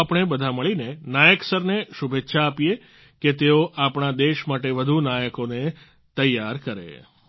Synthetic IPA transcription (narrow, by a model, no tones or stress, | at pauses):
apɳ̃ebəd̪ʱaməɭinenajəksəɾneʃubʱet̪ːʃʰaːpije | ket̪eoʔapɳ̃ad̪eʃmaʈeʋəd̪ʱunajəkone | t̪əjːaɾkəɾḛ